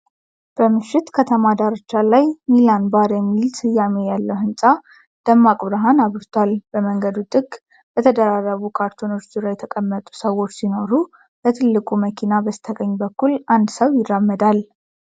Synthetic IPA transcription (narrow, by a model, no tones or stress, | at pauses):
b̥əmɨʃːɪt̪kʰət̪ʰəmad̪aɾət͡ʃːalajmilanbaɾjɛmːilsɨjːame̞jalːəwhɨnsʼa | d̪̥əmːakʼβɾɦanaβɾt̪ʰwalb̥əməŋɡəd̪ut̪ʼɨɡ | bət̪ʰəd̪əɾarːəβukʰaɾt̪ʰono̞t͡ʃːzɨɾajɛt̪ʰəkʼəmːət̪ʼu̥səwːo̞t͡ʃːsino̞ɾu | bət̪ʰɨlːɨkʼuməkʰinabəsɨt̪ʰəɡəɲːbəkːulʔand̪səwjɪrːamːəd̪al